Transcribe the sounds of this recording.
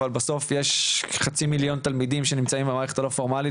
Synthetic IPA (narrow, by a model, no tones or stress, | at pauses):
albaso̞fjeʃχat͡similjo̞nt̪almidimʃenimt͡saimbemaːʁeχet̪alofo̞ʁmali